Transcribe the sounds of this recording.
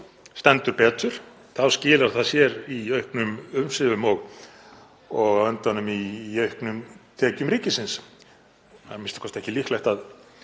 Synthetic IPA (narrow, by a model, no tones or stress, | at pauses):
st̪ɛnt̪ʏɾpɛːt̪ʏɾ̥ | θawscɪːlaɾ̥θaðsjɛɾiœɥhknʏmʏmsɪvʏmɔɣ | ɔɣœnt̪anʏmiœɥhknʏmt̪ʰɛːcʏmɾiːcɪsɪns | haðmɪnst̪ɪ̥kʰɔst̪ɛhcɪlihklajht̪að